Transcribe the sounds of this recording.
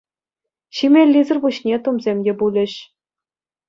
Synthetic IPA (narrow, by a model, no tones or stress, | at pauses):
ɕimʲelʲːizɘ̆rbuɕnʲet̪umzʲemʲdʲebulʲɘ̆ɕ